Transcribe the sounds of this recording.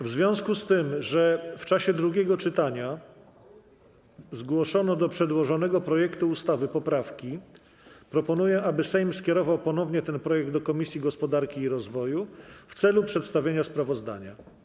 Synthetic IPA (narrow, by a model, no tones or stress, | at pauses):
vzvʲjɔ̃w̃skust̪ɘmʐɛft͡ʂaɕɛd̪ɾuɡʲɛɡɔt͡ʂɘt̪aɲa | zɡwɔʂɔnɔd̪ɔpʂɛd̪wɔʐɔnɛɡɔpɾɔjɛkt̪uːst̪avɘpɔpɾafkʲi | pɾɔpɔnujɛʔabɘsɛjmskʲjɛɾɔvawpɔnɔvɲɛt̪ɛnpɾɔjɛɡ̚d̪ɔkɔmʲisʲjiɡɔspɔd̪aɾkʲiːɾɔzvɔjuft̪sɛlupʂɛt̪st̪avʲjeɲaspɾavɔzd̪a̰ɲa̰